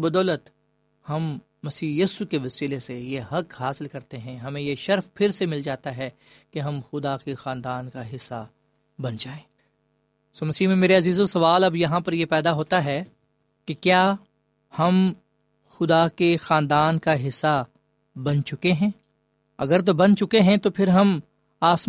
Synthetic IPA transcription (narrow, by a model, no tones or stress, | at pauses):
bɐd̪ɔːlət̪ | hɐmː | ɐsiːjiːsukeʋɐsiːlesejeɦɐkɦaːsɪlkɐɾt̪eɦɛ̃ɦɐmẽjeʃɐɾfpʰɪɾsemɪld͡ʒaːt̪aɦɛ | keɦɐmxʊd̪akexãːnd̪aːnkaɦɪsːa | bɐnd͡ʒaːẽː | soːmɐsiːɦmẽmeːɾeɐziːzosɐʋaːlɐbjɐɦãpɐɾjepɛːd̪aɦoːt̪aɦɛ | kikjaː | hɐm | xʊd̪akexãːnd̪aːnkaɦɪsːa | bɐnt͡ʃʊkeɦɛ̃ː | ɐ̰ɡəɾt̪̬obɐnt͡ʃʊkeɦɛ̃t̪opʰɪɾɦɐm | aːs